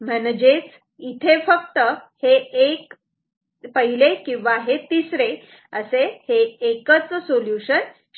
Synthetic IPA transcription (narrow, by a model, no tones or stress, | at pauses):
m̤ɛnd͡ʑet͡s | it̪ʰefəkt̪əheek | pəɦilekĩw̃ʋaɦet̪isɾe | əseheːkət͡ssoljuɕən